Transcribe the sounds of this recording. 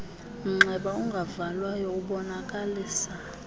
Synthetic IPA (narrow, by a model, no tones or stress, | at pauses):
m̩ŋ͡ǁɛɓauŋɡʱavalwajɔuɓɔnakʼaliːsa